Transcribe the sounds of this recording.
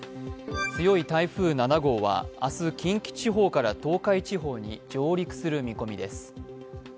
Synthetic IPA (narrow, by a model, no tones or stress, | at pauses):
t͡sɨjo̞it̪aiɸɯːnanaɡo̞ːβa̰a̰sɨkʲĩŋkʲi̥t͡ɕiɦo̞ːkaɾat̪o̞ːkait͡ɕiɦo̞ːɲ̟id͡ʑo̞ːɾʲikɯ̟̥sɨɾɯ̟mʲiko̞mʲid̪e̞sɨ̥